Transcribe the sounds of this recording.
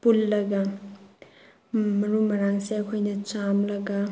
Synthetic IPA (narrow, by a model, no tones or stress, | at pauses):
pulːɐɡɐ | mɐɾumɐɾaŋseɐkʰojnɐt͡ʃamlɐɡɐ